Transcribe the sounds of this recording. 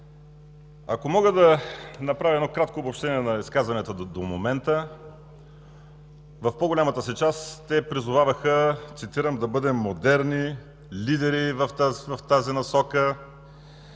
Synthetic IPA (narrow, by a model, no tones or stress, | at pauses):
ɐ̰komɔɡəd̪ɐnɐpɾavʲiɛd̪ɔkɾat̪koːbopʃt̪ɛniɛnɐiskazvɐnit̪əd̪omomɛnt̪ə | vɐfpoɡolʲamət̪əsit͡ʃast̪ɛpɾizʊvavəxət̪sit̪iɾəmd̪ɐbɤd̪ɛmːod̪ɛɾni | lid̪ɛɾivɐft̪vɐft̪azinɐsɔkə